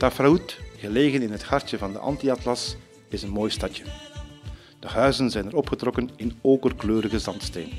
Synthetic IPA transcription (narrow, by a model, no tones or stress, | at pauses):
tafɾautɣəleːɣənɪnɦəthɑrtjəvɑndə̰ʔɑ̰ntiɑtlɑs | ɪzənmoːjstɑtjə | d̥əhœɥzənzɛjnəɾɔpχətrɔkənɪnoːkərkløːɾəɣəzɑntsteːn